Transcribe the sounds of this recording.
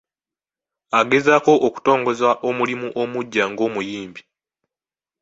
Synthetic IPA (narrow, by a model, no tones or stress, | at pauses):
aɡe̞zaːko̞ʔoku̥to̞ːŋɡo̞zaʔo̞mulimuʔo̞muɟːaŋɡo̞ːmujiːmbi